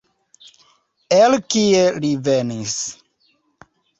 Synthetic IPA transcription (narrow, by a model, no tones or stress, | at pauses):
elkielivenis